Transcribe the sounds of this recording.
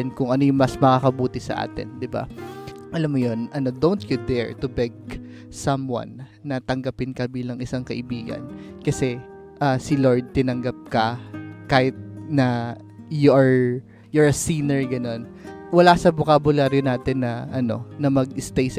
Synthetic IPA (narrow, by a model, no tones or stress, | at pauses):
nkʊŋʔɐno̞jʊŋmɐsmɐkaːkɐbuːt̪ɪsɐ̰ʔa̰ːt̪ɪ̰nd̪ɪba̰ | ʔɐlamːojo̞nʔɐnod̪ownt̪jʊd̪ɛɹt̪ʊbɛɡ̚ | sɐmwa̰nː | ɐt̪ɐŋɡɐpɪnkɐbiːlɐŋʔɪsaŋkɐʔɪbiːɡɐ̰nkɐsɛ | ʔaːsɪloɹd̪̚t̪ɪnɐŋɡap̚kɐkaːhɪt̪̚nɐ | joʔɐɹ | jɔɹɐsiːnɛɹɡɐno̞nwɐlasɐbokaːbʊlaɾjonaːt̪ɪnːɐʔɐno̞̰nɐmɐɡʔɪst̪ɛjs